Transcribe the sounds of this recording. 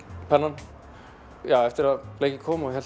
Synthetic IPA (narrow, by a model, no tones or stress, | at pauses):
pʰɛnːan | jawɛft̪ɪɾaleːjcɪkʰɔːmɔçɛl